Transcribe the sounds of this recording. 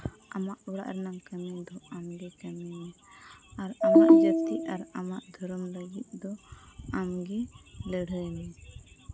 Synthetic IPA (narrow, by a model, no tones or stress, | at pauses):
amaʔbɔɽa̰ʔɾɛnamkamɛd̪ɔamɡɛkamɛnɛ | aɾamaʔd͡ʒət̪iaɾamaʔd̪ʱɔɾɔmləɡit̪̚ˀd̪ɔamɡɛləɽəjnɛ